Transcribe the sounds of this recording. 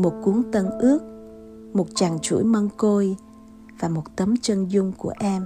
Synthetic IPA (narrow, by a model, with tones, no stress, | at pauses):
mo˨˩t̚ku˨˦əŋt̪ə˧nʔɨ˦˥ək̚ | mo˨˩t̚t͡ɕa˨˩ŋt͡ɕṵ˧˩jmə˧ŋko˧j | vaː˨˩mo˨˩t̚t̪ə˨˦mt͡ɕə˧nzʊ˧ŋ͡mku˧˩əʔɛ˧m